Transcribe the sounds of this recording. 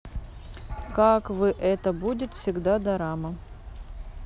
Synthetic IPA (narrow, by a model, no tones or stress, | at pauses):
kakvɨʔɛt̪əbudʲɪt̪fsʲɪɡd̪ad̪ɐɾamə